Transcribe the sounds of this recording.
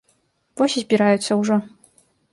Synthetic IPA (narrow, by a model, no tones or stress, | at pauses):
vɔsʲizʲbʲiɾajut̪sːɐwʐɔ